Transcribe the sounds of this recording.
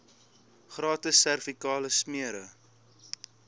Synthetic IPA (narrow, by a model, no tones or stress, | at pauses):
χrɑːtəsːærfikɑːləsmiəɾə